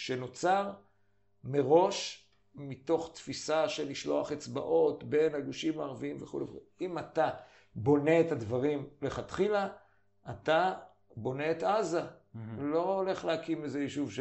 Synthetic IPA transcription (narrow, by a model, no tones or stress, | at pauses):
ʃe̞no̞t͡saʁ | me̞ʁo̞ʃ | mito̞χt̪fisaʃe̞liʃlo̞aχet͡sba̰ʔo̞tbe̞naɡuʃimaːʁaviimveχṵleṵleimat̪a | bo̞ne̞ːtadvaʁimleχat̪χila | ʔat̪a | bo̞ne̞ːt̪azalo̞ːle̞χlehakimizejiʃuvʃ